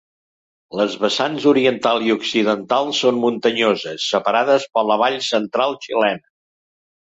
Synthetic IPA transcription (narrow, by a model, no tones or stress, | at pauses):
ləzβəsanzuɾiənt̪alˠiuksiðənt̪alˠsːonmunt̪əɲozəsːəpəɾaðəspələβ̞aʎsənt̪ɾalˠt͡ʃilɛnə